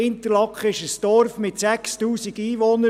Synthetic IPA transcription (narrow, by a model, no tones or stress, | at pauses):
ɪnt̪əlɑkχɪʃəsd̥ɔɾfmɪt̪sækstuːsiɡiːʋɔnə